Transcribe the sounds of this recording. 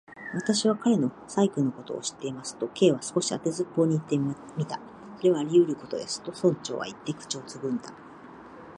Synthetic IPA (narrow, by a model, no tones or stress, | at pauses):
βat̪aɕiβakaɾe̞no̞ | saikɯ̟nːo̞ko̞t̪o̞̰ːɕi̥t̪ːe̞imasɨ̥t̪o̞ke̞ːβasɨ̥ko̞ɕia̰t̪e̞zɨpːo̞ːɲ̟iːt̪ːe | mʲit̪a | so̞ɾe̞βaɾʲiɯɾɯ̟ko̞t̪o̞̰d̪e̞sɨ̥t̪o̞sõ̞ɲt͡ɕo̞̰ːβa̰it̪ːe̞kɯ̟̥t͡ɕo̞ːt͡sɨɡɯ̟̃nd̪a